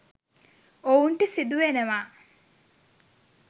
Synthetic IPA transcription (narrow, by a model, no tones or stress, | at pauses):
ouɳʈəsid̪uʋenəʋaː